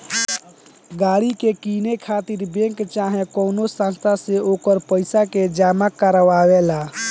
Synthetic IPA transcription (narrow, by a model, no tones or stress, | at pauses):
ɡaːɽikekiːnekʰaːt̪iɾbẽŋkt͡ʃaːɦẽkoːnosãnst̪ʰaseoːkəɾpəɪsaked͡ʒaːmakəɾəʋaːwelaː